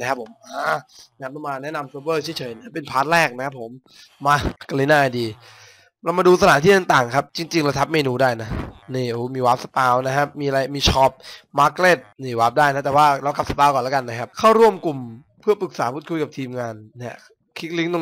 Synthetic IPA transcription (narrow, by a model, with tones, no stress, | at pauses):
na˦˥kʰa˦˥pʰo˩˦mʔaː˧˩na˥kʰa˥˩la˧˩maː˧nɛ˦˥na˧msuː˦˥pbɤː˥˩t͡ɕʰi˦˩˦jt͡ɕʰɤː˨˩˦jna˦˥˩pe˧npʰaː˦˥t̪̚lɛː˥˩k̚na˥kʰa˦˥pʰːo˨˩˦mː | aː˧ka˧li˦naː˥˩ʔa˧˩diː˧ | ɾa˧wma˧duː˧sa˧lʰaː˩˦niː˥˩a˧ŋt̪aː˨˩ŋkʰa˦˥p̚t͡ɕi˧ŋt͡ɕi˧ŋla˧t̪ʰa˦˥p̚meː˧nuː˧daː˥˩jna˦˥niː˧˩ʔuː˧˦˩miː˧waː˦˥p̚sa˧paː˧wna˦kʰa˦˥miː˧a˧ɾa˧jmiː˧t͡ɕʰɔː˦˥p̚maː˦˥kle˥˩t̪̚niː˧˩waː˦˥p̚daː˥˩jna˦˥t̪ɛː˨˩waː˥˩ɾa˧wka˨˩p̚sa˧paː˧wkɔː˨˩nla˦˥ka˧nːa˦˥kʰa˦˥p̚kʰaː˥˩wɾu˥˩əmku˨˩m | pʰɯ˥˩ɐpɯ˨˩k̚saː˩˦pʰuː˥˩kʰu˧jka˨˩t̪ʰiː˧mŋaː˧nːi˥˩ɐ | kʰi˦˥k̪̚li˦˥ŋt̪o˧